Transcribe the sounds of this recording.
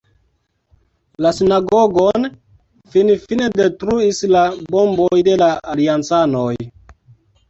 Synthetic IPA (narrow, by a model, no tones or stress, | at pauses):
lasinaɡoɡon | finfinedetɾuislabombojde̞laaliant͡sanoj